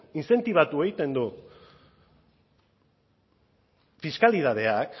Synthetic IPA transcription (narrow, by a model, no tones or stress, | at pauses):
inse̞nt̪iβ̞at̪ue̞ɣit̪e̞nd̪u | fiskaliðað̞e̞ak